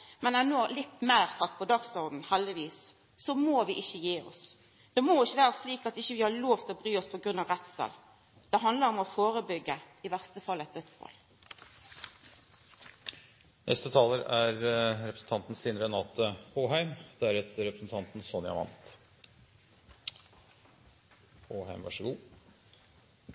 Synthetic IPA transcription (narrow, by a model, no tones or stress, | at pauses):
mɛnænoːlɪt̪ːmæɪɾsɑt̪ːpʰɔd̪ɑɡsɔʁd̪n̩hɛld̪ɪʋiːsː | ɔmoːʋɪʔɪçːəjeːɔ̰s | d̪̥ɛmoɪçːəʋæːɾəsliːkɑt̪ɪçːəʋɪhɑɭoːʋt̪ʰlɔbɾyːɔspʰɔɡʁʉnɑʋʁɛt̪sə̰l | d̪̥ɛɦɑnd̪ləɾɔmɔfoːɾəbʏɡːə | ɪʋæʁst̪əfɑlːɛt̪̚d̪œt̪sfɑ̰l | nʔɛ̰st̪ət̪ʰɑːləɾæɾɾɛpɾsn̩t̪ʰɑnt̪n̩st̪iːnɾɛnɑːt̪əhoːɦæɪmd̪̥ɛæɾɛt̪ɾɛpɾəsn̩t̪ʰɑnt̪n̩sɔnjɑ̰ʋɑ̰nt̪ | hoːhæɪmʋɑʂəɡuː